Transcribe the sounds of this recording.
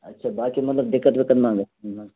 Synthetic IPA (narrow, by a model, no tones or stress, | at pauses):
ɐtːʃʰaːbaːkimɐt̪ləb̚d̪ɪkːət̪bikɐnmãːŋɡə